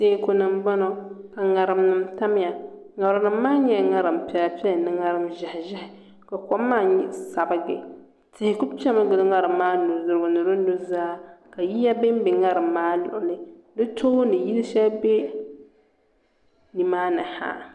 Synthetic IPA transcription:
seː˦ko˨nɨ˨mbɔ˦nɔ˨ka˨ŋa˨ɾɨ˨mnɨ˨mta˦m˦ja˨ŋa˨bɾʊ˨nɨ˦mː˦aː˦ɲɛ˦˨˦ŋa˦ɾɨ˨mpɛ˦la˦pi˦ɛ˦lnɨ˦ŋa˦ɾɨ˦mʒɪ˨hɪ˨ʒɪ˦hɪ˨ | ka˨kɔ˦mːaː˦˨ɲɪ˦ʔsa˨bɨ˨ɡɪ̰˨ | tɪ˨hɪ˨kʊ˦bpɛ˦mɨ˦ɡʊ˨˦ŋa˦ɾɨ˨mːaː˦nʊ˨zʊ˨ɾɡʊ˨nʊ˨ɾo˦nu˦zaː˦ka˨ji˦ja˦be˦m˦bɪ˨ŋa˦ɾɨ˨mːaː˦lʊ̰˨ʔʊ˨lɪ˦dɨ˦to˦nɨ˨ji˦lʃɛ˦be˦ | ni˨maː˦nɨ˨ha̰˦˨

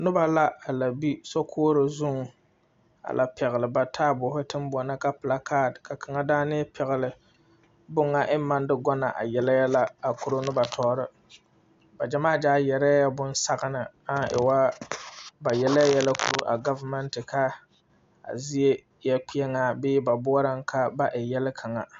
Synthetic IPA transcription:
nʊ˦ba˦la˦a˨la˨bi˦so˦kʰoː˦ɾɪ˨zʊ˦ŋ˨ | a̰˨lʔa̰˨pɛ˨ɣɪ˨lɨ˨ba˨tʰaː˦bʊː˨hʊ˦tɨ˦mbɔ˨nɨ˦ka˦pla˨kʰaː˦˨dka˨kʰa˨ŋa˦daː˦nɨ˦ɛ˦pʰɛ˨ɣɪ˨lɪ˨ | bʊ˦ŋːa˦ʔɪ˦m˦mːa˦ndɨ˦ɡɔ˦na˨ʔa̰˨jɛ˨la˦ja˦la˦a˨ku˨ɾo˦nʊ˦ba˨tʰɔː˦ɾɨ˦ | ba˨d͡ʒa˨maː˦˨d͡ʒaː˦jɛ˨ɾa˦ja˦bʊ˦n˦sa˦ɣa˦nɨ˨ | a˦˨ɪ̰˨wa˦ | ba˨jɛ˦la˦jɛ˦la˦kṵ˦˨ɾo̰˦ʔa˨ɡa˦va˦mɛ˦ntɨ˨kʰa˦ | a̰˨zi˦e˦ | jɛ˦k͡pi˦ɛ˦ŋa˨bɪː˦ba˨bʊ˦ɔ˦ɾa˦ŋkʰa˦ba˦ʔɪ˨jɛ˦lɪ˦kʰa˨ŋa˨

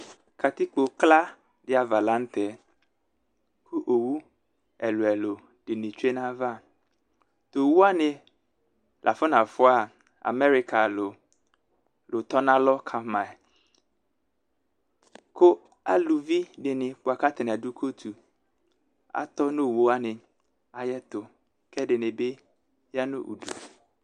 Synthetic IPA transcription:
kʰa˨t̪i˦k͡po˨kla˦ | dɪ˦a˨va˨la˦n̩˦t̪ʰɛ˨˦ | kʰu˦ʔo˨wu˦ | ɛ˨lo˨ɛ˨lo˨ | ɖ̥ɪ˨nɪ̃˨t͡ʃe˦nã˦va˦˨ | t̪o˨wu˦a˦nɪ̃˦ | lʔa̰˨fʊ˦nã˨fʊ˦a˨ | a̰˨mɛ˦ɾi˦kʰa˨lo˨ | lʊ˨t̪ɔ˦nã˦lɔ˦kʰa˨mã˨ | kʰo˦ | a̰˦lu˨vi˦dɪ˨nɪ̃˨k͡pʊ˨a˨ka˦t̪ʰɪ˨n˨a˨du˦kʰo˦t̪ʰu˨ | a̰˨t̪ɔ˦nʊ̃˦˨wo˦a˦nɪ̃˨ | a˨jɛ˦t̪ʊ˨ | kʰɛ˦dɪ˨nɪ̃˨be˦ | ja˦nʊ̰̃˦ʔṵ˨du˨

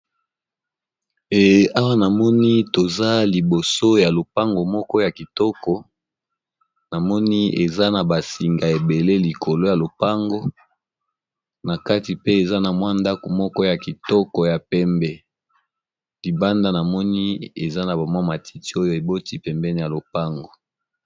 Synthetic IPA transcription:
e˨a˦wa˦na˨mɔ˦ni˦to˨za˦li˨bo˨so˦ja˨lo˨pa˦ŋɡo˨mɔ˦kɔ˦ja˨ki˨tɔ˦kɔ˨ | na˨mɔ˦ni˦ḛ˨za˦na˨ba˨si˨ŋɡa˨e˨be˨le˦li˨ko˨lo˦ja˨lo˨pa˦ŋɡo˦ | na˨ka˦ti˨pe˦e˨za˦na˨mwa˦nda˦ko˨mɔ˦kɔ˦ja˨ki˨tɔ˦kɔ˨ja˨pɛ˦mbɛ˦ | li˨ba˦nda˦na˨mɔ˦ni˦e˨za˦na˨ba˨mwa˦ma˨tʰi˦ti˦o˦jo˦e˨bo˦ti˦pɛ˨mbɛ˦ni˨ja˨lo˨pa˦ŋɡo˨

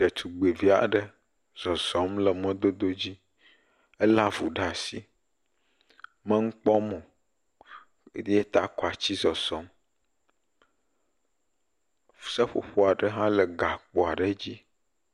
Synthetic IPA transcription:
e˨t̪ʰu˨ɡ͡be˨vi˦a̰˨ɖə˦ | z̥ɔ˨zɔ̃˨˦mlə˨mɛ̃˦d̪o˦d̪o˦d͡ʑi˦ | ə˦la˦vu˨ɖa˨si˦ | mə̃˦ŋ̩˦k͡pɔ˦mɔ̃˨˦ | de˦e˦t̪a˨kɔ˨a˨t͡ɕi˦zɔ˨z̥ɔ˨˦m | fsə˦ɸo̰˨ɸo˦a˨ɖə˦ɦã˦lə˨ɡa˨k͡po˨a˨ɖə˦d͡ʑi˦

